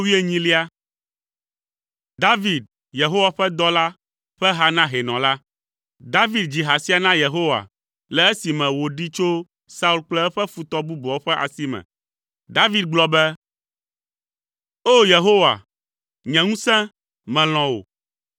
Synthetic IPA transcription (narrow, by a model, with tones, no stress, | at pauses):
wi˦e˦ɲĩ˦li˦a˦ | d̪a˦vi˨d̪̚ | je˨ɦo˦wa˨ɸɛ˦d̪ɔ˦la˦ | ɸɛ˦ɦa˦nã˦ɦe˨nɔ̃˨la˦ | d̪a˦vi˦d̪̚d͡ʑi˨ɦa˨si˦a˨nã˦je˨ɦo˦wa̰˨ | lɛ˨e˦si˨mɛ̃˨wo˨ɖi˦t͡ʃo˦ | sa˦u˦lk͡plɛ˦ɛ˦ɸɛ˦fu˨t̪ɔ˦bu˦bɔ˨o˦ɸɛ˦ʔa̰˨si˦mɛ̰̃˨ | d̪a˦vi˦d̪̚ɡ͡blɔ˦bɛ˦ | o˦je˨ɦo˦wa̰˨ | ɲɛ̃˨ŋũ˦sɛ̃˦ | mɛ̃˨l̃ɔ̃˨wo̰˨